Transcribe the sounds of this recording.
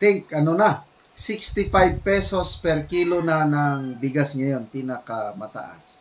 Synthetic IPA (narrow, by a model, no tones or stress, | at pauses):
t̪ɪŋkɐnonɐ | sɪkst̪ɪpajb̚pɛso̞spɛɾkiːlonanɐŋbɪɡasŋɐjo̞npinɐkɐmɐt̪a̰ʔa̰s